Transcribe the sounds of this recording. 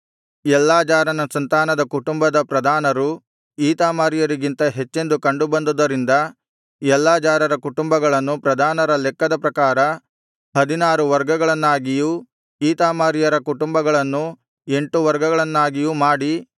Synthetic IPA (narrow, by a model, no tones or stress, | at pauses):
ɛlːaːd͡ʒaːɾɐnɐsɐnt̪aːnɐd̪ɐkuʈumbɐd̪ɐpɾɐd̪ʱaːnɐɾu | iːt̪aːmaːɾijɐɾiɡint̪ɐɦet͡ʃːe̞nd̪ukɐɳɖubɐnd̪ud̪ɐɾind̪ɐ | ɛlːaːd͡ʒaːɾɐɾɐkuʈumbɐɡɐɭɐnːupɾɐd̪ʱaːnɐɾɐlɛkːɐd̪ɐpɾɐkaːɾɐ | hɐd̪inaːɾuʋɐɾɡɐɡɐɭɐnːaːɡiju | iːt̪aːmaːɾijɐɾɐkuʈumbɐɡɐɭɐnːu | e̞ɳʈuʋɐɾɡɐɡɐɭɐnːaːɡijumaːɽi